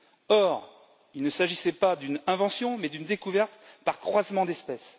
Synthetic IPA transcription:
ɔʁ | ilnəsaʒisɛpad̪ynɛ̃vɑ̃sjɔ̃mɛd̪ynd̪ekuvɛʁt̪paʁkχwazmɑ̃d̪ɛspɛs

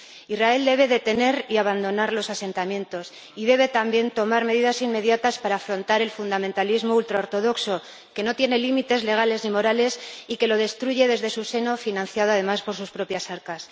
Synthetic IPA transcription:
izrae̞ld̪e̞β̞e̞ðe̞t̪e̞ne̞ɾiaβand̪o̞naɾlo̞sase̞nt̪amje̞nt̪o̞s | ið̞e̞βe̞t̪ambje̞nt̪o̞maɾme̞ðiðasimme̞ðjat̪aspaɾaːfɾo̞nt̪aɾe̞lfund̪amẽnt̪alizmoult̪ɾaoɾt̪o̞ðo̞kso̞ | ke̞no̞t̪je̞ne̞limit̪e̞zle̞ɣ̞ale̞znimo̞ɾale̞sike̞lo̞ð̞e̞st̪ɾuʝe̞ðe̞zðe̞suse̞no̞finãn̟θjað̞oað̞e̞maspo̞ɾsuspɾo̞pjasaɾkas

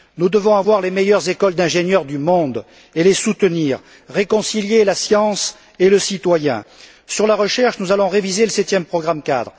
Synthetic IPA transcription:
nud̪əvɔ̃avwaʁlemejœʁzekɔld̪ɛ̃ʒenjœʁd̪ymɔ̃d̪ | elesut̪əniːʁː | ekɔ̃siljelasjɑ̃s | eləsit̪wajɛ̰̃ | syʁlaʁəʃɛʁʃnuzalɔ̃ʁevizeləsɛt̪jɛmpχɔɡʁamka̰d̪ʁ

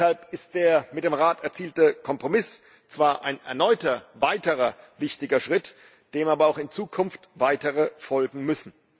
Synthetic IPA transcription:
halpɪst̚d̥eːɐmɪt̚d̥eːmʁaːtɛɐt͡siːltəkʰɔmpʁ̥omɪs | t͡sv̥aːɐʔaɪnɛ̰ɐnɔʏtɐvaɪtəʁɐvɪçtɪɡɐʃʁ̥ɪt | d̥eːmaːbɐaʊxɪnt͡suːkʰʊnftv̥aɪtəʁəfɔlɡŋ̩mʏsn̩

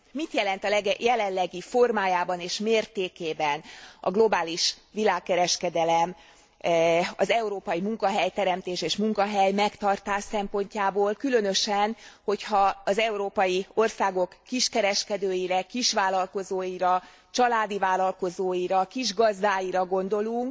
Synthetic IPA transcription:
mit̪jɛlɛnt̪ɒlɛɡjɛlɛnlːɛɡifo̞rmaːjaːbɒneːʃmeːrt̪eːkeːbɛnɒ̰ɡlo̞baːliʃʋilaːkːɛɾɛʃkɛd̪ɛlɛm | ɒ̰zɛuɾoːpɒjimuŋkɒɦɛjt̪ɛɾɛmt̪eːʃeːʃmuŋkɒɦɛjmɛkt̪ɒrt̪aːʃsɛmpo̞ɲcaːboːlkylø̞nøʃɛnho̞chɒɒzɛuɾoːpɒjio̞rsaːɡo̞kːiʃkɛɾɛʃkɛd̪øːjiɾɛkiʃʋaːlɒlko̞zoːjiɾɒ | t͡ʃɒlaːd̪ivaːlɒlko̞zoːjiɾɒkiʒɡɒzd̪aːjiɾɒɡo̞nd̪o̞luŋk

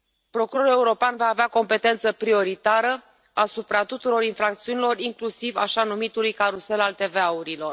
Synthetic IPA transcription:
pɾo̞kuɾo̞ɾule̞uɾo̞peanvaːveako̞mpe̞t̪e̞nt̪səpɾio̞ɾit̪aɾə | asupɾat̪ut̪uɾo̞ɾinfɾak̚t̪siunilo̞riŋklusiva̰ʃanumit̪ulujkaɾuse̞lalt̪e̞veauɾilo̞r

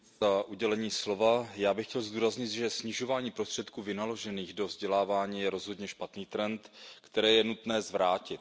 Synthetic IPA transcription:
zaʔuɟɛlɛɲiːslo̞vajaːbɪxcɛlzd̪uːɾazɲɪt̪ʒɛsɲɪʒo̞vaːɲiːpɾost̪r̥ɛt̪kuːvɪnalo̞ʒɛniːɣdo̞vzɟɛlaːvaːɲiːjɛɾo̞zɦo̞dɲɛʃpat̪niːt̪ɾɛnt̪kt̪ɛɾɛːjɛnut̪nɛːzvɾaːcɪt̪

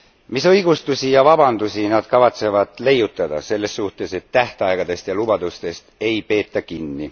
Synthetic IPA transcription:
misɤjɡ̥ust̪usijɑvɑbɑnd̪̥usinɑd̪̥kɑvɑt̪se̞vɑd̪̥le̞jut̪ːˑɑd̪̥ɑ̰se̞lːe̞sːuht̪ˑe̞se̞t̪ːæht̪eɑjɡ̥ɑd̪̥e̞st̪jɑlubɑd̪̥ust̪e̞st̪e̞jpe̞ːt̪ˑːɑkinːi

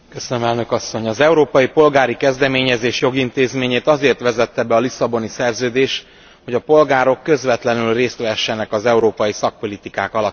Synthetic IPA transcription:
køsønømɛlnøkɒsːo̞ɲɒzɛuɾoːpɒjipo̞lɡaːɾikɛzd̪ɛmeːɲɛzeːʃjo̞ɡint̪eːzmeːɲeːt̪ɒzeːrt̪ʋɛzɛt̪ːɛbɛɒlisɒbo̞nisɛrzøːd̪eːʃ | ho̞ɟɒpo̞lɡaːɾo̞kːø̞zʋɛt̪lɛnylreːst̪ʋɛɦɛʃːɛnɛkɒzɛuɾoːpɒjisɒk̚po̞lit̪ikaːkɒlɒ

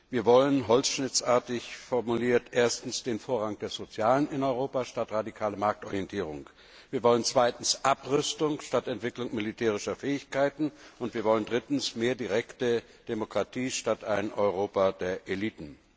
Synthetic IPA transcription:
viːɐvɔlənɦɔlsʃnɪt͡sʔaɐtɪçfɔɐmuliːɐtʔeːɐstn̩sd̥eːnfoːɐʁaŋd̥eːɐzot͡sjaːlənɪnɔʏʁoːpaʃtatʁadikʰaːləmaɐk̚tɔʁijɛntʰiːʁ̞ʊ̰ŋ | viːɐvɔlənt͡sv̥aɪtn̩sʔapʁʏstʊŋʃtatɛntv̥ɪklʊŋmilitʰɛːʁ̞ɪʃɐfɛːɪçkaɪtn̩ʊntviːɐvɔləndʁɪtn̩smeːɐdiʁɛktə | d̥emokʁ̥atʰiːʃtataɪnʔɔʏʁ̞oːpadeːɐʔeliːtn̩

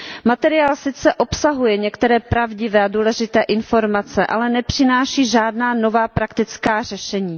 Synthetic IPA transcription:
mat̪ɛɾɪaːlsɪt͡sɛʔo̞psaɦujɛɲɛkt̪ɛɾɛːpɾavɟɪvɛːaduːlɛʒɪt̪ɛːʔɪnfo̞ɾmat͡sɛʔa̰lɛnɛpr̥ɪnaːʃiːʒaːdnaːno̞vaːpɾakt̪ɪt͡skaːr̝ɛʃɛɲiː

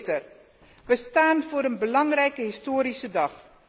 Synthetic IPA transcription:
tər | bəstaːnvʊːɾənbəlɑŋrɛjkəɦɪstoːɾisədɑχ

